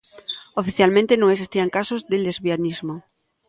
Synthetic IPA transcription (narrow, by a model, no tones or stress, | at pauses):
ofiθjalmẽnt̪enõŋeksist̪iaŋkasozðelezβianizmo